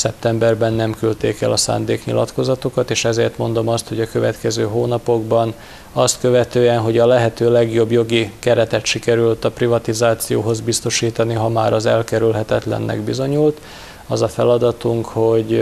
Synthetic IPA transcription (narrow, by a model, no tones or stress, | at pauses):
sɛp̚t̪ɛmbɛrbɛnːɛmkylt̪eːkɛ̰lɒsa̰ːnd̪eːkɲḭlɒ̰t̪ko̞zɒt̪o̞kɒt̪eːʃɛzeːrt̪mo̞n̪d̪o̞mɒst̪ho̞ɟɒkø̞vɛt̪kɛzøːɦoːnɒpo̞ɡbɒn | ɒst̪kø̞vɛt̪øːɛnɦo̞ɟɒlɛɦɛt̪øːlɛɡjo̞bjo̞ɡikɛɾɛt̪ɛt̪ʃikɛɾylt̪ɒprivɒt̪izaːt̪sijoːɦo̞zbist̪o̞ʃiːt̪ɒniɦɒmaːɾɒzɛlkɛɾylɦɛt̪ɛt̪lɛ̰nːʔɛ̰ɡbizo̞ɲult̪ | ɒzɒfɛlɒd̪ɒt̪uŋkho̞ɟ